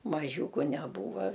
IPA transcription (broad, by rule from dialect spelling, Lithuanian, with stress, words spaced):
mɐˈʒʲuːkʊ nʲɛˈbuːʋɐ